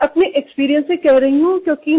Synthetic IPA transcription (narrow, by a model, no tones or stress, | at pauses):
ɐpneʔekspiːɾijə̃nsẽkɛɦɾɐɦiũkjõːki